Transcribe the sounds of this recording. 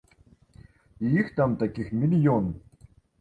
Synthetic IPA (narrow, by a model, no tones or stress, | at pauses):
ijixt̪amt̪akʲixmʲilʲjɔn